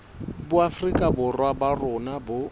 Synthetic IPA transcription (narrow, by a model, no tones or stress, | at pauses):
bʊafrikʼabʊrwabarʊnabʊ